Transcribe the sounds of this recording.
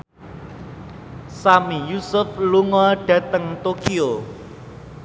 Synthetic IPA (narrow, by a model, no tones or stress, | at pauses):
samijusʊfluŋɔɖ̥ä̤t̪əŋt̪okio